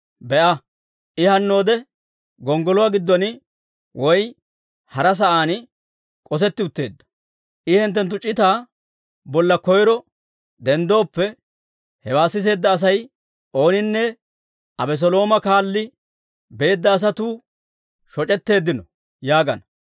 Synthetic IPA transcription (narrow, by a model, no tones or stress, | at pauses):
bɛʔɐ | ʔɪhɐnːo̞ːd̪ɛ | ɡɔŋɡɔlʊwaːɡɪd̪ːɔnɪ | wɔj | hɐɾɐs̬ɐʔaːn | kʼɔs̬ɛt̪ːɪʊt̪ːe̞ːd̪ːɐ̥ | ʔɪhɛnt̪ːɛnt̪ːʊt͡ʃʼɪt̪aː | bɔlːɐkɔjɾɔ | d̪ɛnd̪o̞ːpːɛ | hɛwaːsːɪs̬e̞ːd̪ːɐːs̬ɐj | ʔo̞ːnɪnːɛ | ʔɐbɛs̬ɔlo̞ːmɐkaːlːɪ | be̞ːd̪ːɐːs̬ɐt̪uː | ʃɔt͡ʃʼɛt̪ːe̞ːd̪ːɪnɔ | jaːɡɐnɐ